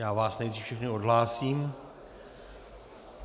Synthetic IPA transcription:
jaːvaːsnɛjd̪riːfʃɛxnɪodɦlaːsiːm

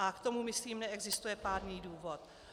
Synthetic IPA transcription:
akt̪o̞mumɪsliːmnɛɛɡzɪst̪ujɛpaːdniːduːvot̪̚

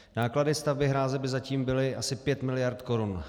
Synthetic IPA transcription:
naːkladɪst̪avbɪɦɾaːzɛbɪzaciːmbɪlɪʔasɪpjɛt̪mɪlɪjaɾt̪ko̞ɾun

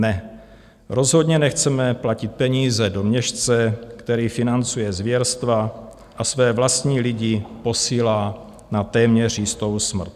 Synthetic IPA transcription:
nɛ | ɾo̞zɦo̞dɲɛnɛxt͡sɛmɛplacɪt̪̚pɛɲiːzɛdo̞mɲɛʃt͡sɛkt̪ɛɾiːfɪnant͡sujɛzvjɛɾst̪va | ʔasvɛːvlast̪ɲiːlɪɟɪpo̞siːlaː | nat̪ɛːmɲɛr̝jɪst̪o̞wsmr̩t̪

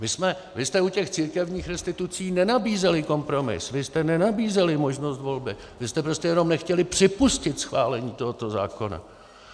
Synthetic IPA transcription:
vɪsmɛ | vɪst̪ɛucɛxt͡siːɾkɛvɲiːxɾɛst̪ɪt̪ut͡siːnɛnabiːzɛlɪko̞mpɾo̞mɪ̰svɪst̪ɛnɛnabiːzɛlɪmo̞ʒno̞st̪vo̞lbɪ | vɪst̪ɛpɾo̞scɛjɛno̞mnɛxcɛlɪpr̝̥ɪpuscɪt̪sxvaːlɛɲiːt̪o̞ɦot̪o̞za̰ːko̞na̰

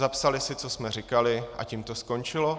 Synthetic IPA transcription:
zapsalɪsɪt͡sosmɛrɪkalɪʔa̰cimt̪osko̞nt͡ʃɪlo

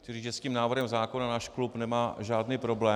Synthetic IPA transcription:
t͡ʃɪliʒɛsciːmnaːvr̩ɦɛmzaːko̞nanaːʃklupnɛmaːʒaːdniːpɾo̞blɛː

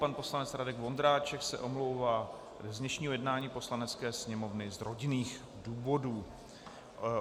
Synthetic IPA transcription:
panpo̞slanɛt͡sɾadɛɡvo̞nd̪ɾaːt͡ʃɛksɛʔo̞mlo̞wvaː | znɛʃɲiːɦo̞jɛdnaːɲiːpo̞slanɛt͡skɛːsɲɛmo̞vnɪzɾo̞ɟɪniːx | duːvo̞duː

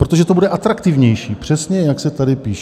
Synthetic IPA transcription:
pɾo̞t̪oʒɛt̪obudɛʔat̪ɾakt̪ɪvɲɛjʃiːpr̥ɛsɲɛjaksɛt̪adɪpiːʃ

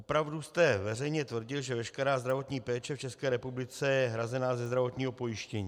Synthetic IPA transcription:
opɾavdust̪ɛvɛrɛjɲɛt̪vr̩ɟɪlʒɛvɛʃkɛɾaːzd̪ɾavo̞t̪ɲiːpɛːt͡ʃɛft͡ʃɛskɛːɾɛpublɪt͡sɛjɛɦɾazɛnaːzɛzd̪ɾavo̞t̪ɲiːɦopo̞jɪʃcɛɲiː

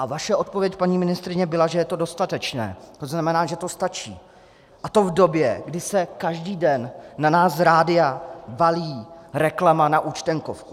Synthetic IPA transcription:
ʔavaʃɛʔo̞t̪̚po̞vjɛcpaɲiːmɪnɪst̪ɾɪɲɛbɪlaʒɛjɛt̪o̞do̞st̪at̪ɛt͡ʃnɛ̰ːt̪o̞znamɛnaːʒɛt̪o̞st̪at͡ʃḭː | ʔat̪o̞vdo̞bjɛɡdɪsɛkaʒdiːdɛnːanaːsɾaːdɪavaliːɾɛklamanaʔuːt͡ʃt̪ɛŋkofku̥

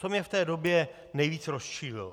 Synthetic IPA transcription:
t̪omɲɛft̪ɛːdo̞bjɛ | nɛjviːt͡sɾosʃiːlɪ̰l

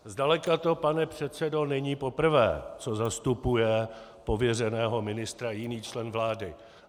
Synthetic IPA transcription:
zdalɛkat̪o̞panɛpr̝̥ɛt̪t͡sɛdo̞nɛɲiːpo̞pr̩vɛ̰ːt͡so̞zast̪upujɛ | po̞vjɛrɛnɛːɦo̞mɪnɪst̪ɾajɪniːt͡ʃlɛnvlaːdɪ

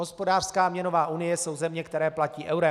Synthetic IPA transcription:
ɦospo̞daːr̥skaːmɲɛnovaːʔunɪjɛso̞wzɛmɲɛkt̪ɛɾɛːplaciːʔɛwɾɛ

